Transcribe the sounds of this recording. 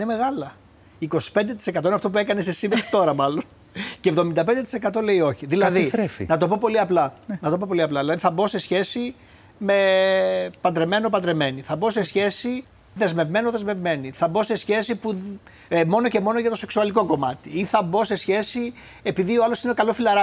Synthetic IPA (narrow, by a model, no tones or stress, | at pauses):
ineme̞ɣɐlɐ | iːko̞si̥pend̪e̞t̪̬isekɐt̪oinɐft̪o̞p̬ue̞kɐnesesimeɾɐt̪o̞ɾɐmɐlo̞n | cevðo̞mind̪ɐped̪et̪isekɐt̪o̞le̞io̞çiðilɐðiɾefḭnɐt̪o̞po̞po̞liɐplɐnnɐt̪o̞po̞po̞liɐplɐðilɐðiθɐbo̞se̞sçe̞si | me̞ | pɐd̪ɾe̞me̞nop̬ɐnd̪ɾe̞me̞niθɐbo̞se̞sçe̞si | ðe̞zme̞vme̞noðe̞zme̞vme̞niθɐbo̞se̞sçe̞sipu | mo̞no̞ce̞mo̞no̞ʝɐt̪o̞se̞ksuɐliko̞ko̞mɐt̪iiθɐbo̞se̞sçe̞si | epiðioɐlosineokɐlo̞filɐɾɐ